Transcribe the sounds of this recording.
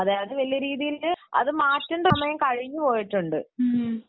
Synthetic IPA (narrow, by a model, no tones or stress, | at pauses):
ɐðaːɐðɨʋɐlijɐɾiːðijilnɨɐ̰ðɨmaːtːuɳɖɐmɐjɐmkɐɻiɲːɨpo̞ːjiʈːuɳɖɨ